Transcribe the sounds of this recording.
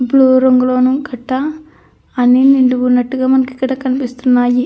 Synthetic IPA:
bluːɾoŋɡulo̞ːnuɡɐʈːɐː | niniɳɖuʋunɐʈːuɡaːmɐnɐkikːɐɽaːkɐnipist̪unːaːji

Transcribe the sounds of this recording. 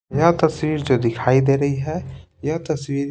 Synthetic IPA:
jat̪ɐswiːɾd͡ʒoːd̪ɪkʰaːid̪eːɾɐɦiɦɛ | jat̪ɐswiːɾ

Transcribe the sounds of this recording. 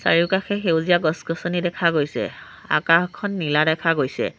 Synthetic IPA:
sa̰ɹikaxɛɦewzijaɡɔsɡɔsɔnidɛkʰaɡojsɛ̰ | a̰kaxkʰɔnːiladɛkʰaɡojsɛ̰

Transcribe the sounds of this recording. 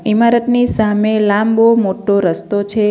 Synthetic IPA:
imaɾət̪nisamelambomoʈoɾəst̪ot͡ʃʰe

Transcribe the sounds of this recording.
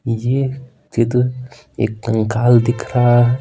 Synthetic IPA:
je | t̪ʰed̪ | ḛkŋkald̪ikɾa

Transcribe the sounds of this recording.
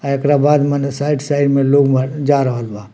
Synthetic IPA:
aekɾabaːd̪mɛnsaːɪɖsaːɪɖmẽloːɡməd͡ʒaːɾəɦəlba

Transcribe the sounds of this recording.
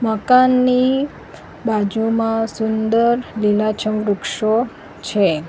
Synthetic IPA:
məkanːi | bad͡ʒumãsund̪əɾlilat͡ʃʰəmɾukʃo | t͡ʃʰe

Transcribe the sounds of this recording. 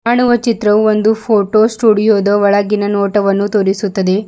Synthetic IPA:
ɐɳuʋɐt͡ʃit̪ɾɐʋuond̪upʰoːʈoːsʈuːɽijoːd̪ɐʋɐɭɐɡinɐnoːʈɐʋɐnːut̪oːɾisut̪ːɐd̪e̞

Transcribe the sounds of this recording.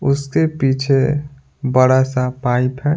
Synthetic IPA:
ʊskepiːt͡ʃʰe | bəɽasapaːɪpɦɛː

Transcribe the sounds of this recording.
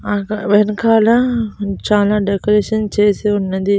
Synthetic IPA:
ãʋɐɦɪnkʰaːlãt͡ɕaːlãːɖeːkoɾeːʃənt͡ɕʰeseʊnənd̪iː

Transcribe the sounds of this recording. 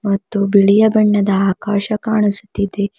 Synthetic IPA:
mɐt̪ːubiɭijɐbɐɳːɐd̪ɐaːkaːʃɐkaːɳusu̥t̪ːid̪e

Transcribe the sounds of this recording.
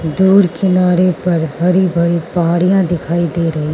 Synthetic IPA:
d̪uːɾkɪnaːɾepɐɾɦɐɾibʱɐɾipɐɦaːɽijãd̪ɪkʰaːid̪eːɾɐɦi

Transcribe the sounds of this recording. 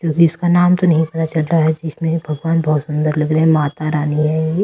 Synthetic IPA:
kjõːkiɪskanaːmt̪onɐɦĩpɐt̪at͡ʃɐlɾaɦɛd͡ʒɪsmẽbʱɐɡʋaːnbɐɦʊt̪sʊ̃nd̪əɾlɐɡɾəɦɛmaːt̪aɾaːniɦɛ

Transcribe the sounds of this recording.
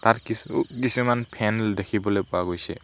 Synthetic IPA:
t̪aɾkisukisimanpʰɛnld̪ekʰibɔlepuaɡojsɛ

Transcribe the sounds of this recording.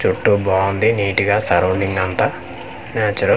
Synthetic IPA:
t͡ʃuʈːubaːund̪iniːʈiɡaːsɐɾoːɳɖiŋɡɐnt̪a | naːt͡ʃɐɾɐ

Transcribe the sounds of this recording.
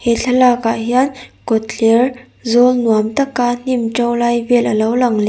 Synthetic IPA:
heɬʰəlakaɦiankɔt̪lɛr | zɔlnuamt̪ɐkːan̥imʈ͡ʂɔwlajvelʔəlowlaŋle

